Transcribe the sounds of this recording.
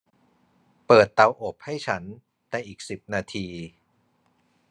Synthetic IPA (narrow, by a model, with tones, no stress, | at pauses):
pɤː˨˩t̪ːa˧wʔo˨˩p̚ha˥˩jt͡ɕʰa˦˥n | t̪ɛ˧˩ʔiː˨˩k̚si˨˩p̚naː˧t̪ʰiː˧